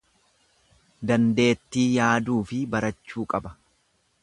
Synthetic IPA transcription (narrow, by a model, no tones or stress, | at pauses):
d̪ɐnd̪e̞ːt̪ːiːjaːd̪uːfɪbɐɾɐt͡ʃːuːkʼɐbɐ